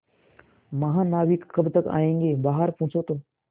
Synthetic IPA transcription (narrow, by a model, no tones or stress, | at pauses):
mɐɦãnaːʋikːɐbt̪əka̰ːẽːŋɡeːbaːɦəɾpʊ̃ːt͡ʃot̪õː